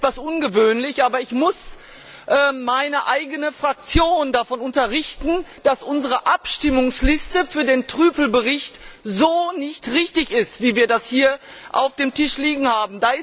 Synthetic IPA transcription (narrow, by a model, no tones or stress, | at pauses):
tv̥asʔʊnɡəvøːnlɪçʔaːbɐɪçmʊs | ʔɛːmaɪnəʔaɪɡənəfʁ̥ak̚t͡sjoːndafɔnʊntɐʁɪçtn̩d̥asʔʊnzəʁəʔapʃtɪmʊŋslɪstəfyːɐdeːntʁ̥yːpl̩bəʁɪçtzoːnɪçtʁɪçtɪçɪstv̥iːviːɐdashiːɐ | ʔa̰ʊfd̥eːmtɪʃliːɡŋ̩haːbm̩daːɪs